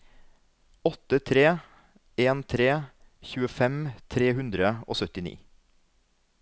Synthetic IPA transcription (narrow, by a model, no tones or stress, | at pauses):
ɔt̪ət̪ʰɾeː | eːnt̪ʰɾeːçʉːəfɛmt̪ʰɾeːhʉnd̪ɾəo̰ːsœt̪ɪnḭː